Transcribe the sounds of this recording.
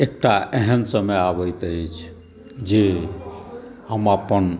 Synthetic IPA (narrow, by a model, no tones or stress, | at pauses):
ek̚ʈaʔɛɦənsəmejabəjt̪əet͡ʃʰ | d͡ʒe | həmapən